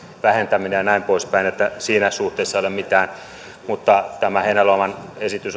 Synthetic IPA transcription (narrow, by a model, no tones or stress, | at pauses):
ʋæhent̪æminejɑnæimpoˑispæinet̪ːæsiːnæsuht̪eisːɑolemmit̪æːn | mut̪ːɑt̪æmæheinæloɑmɑnesit̪ys